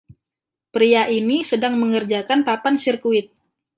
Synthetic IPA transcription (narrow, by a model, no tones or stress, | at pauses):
pɾiaʔinisədaŋməŋərd͡ʒakanpapansirkuɪt̪̚